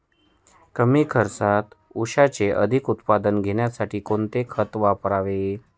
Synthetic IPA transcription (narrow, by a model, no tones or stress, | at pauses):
kəmiːkʰəɾsat̪uɕat͡seʔəd̪ʱikut̪pad̪ənɡʱeɳjasaʈʰiːkoɳt̪ekʰət̪ʋapɾaʋe